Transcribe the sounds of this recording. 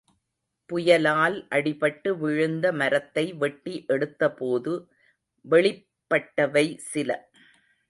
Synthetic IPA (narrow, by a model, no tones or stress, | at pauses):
pʊjɐlaːlʔɐɽɪpɐʈːɯʋɪɻɯnd̪ɐmɐɾɐt̪ːɐɪʋɛʈːiʔɛɽɯt̪ːɐpoːðɯ | ʋɛɭɪ | pːɐʈːɐʋɐɪsɪlɐ̰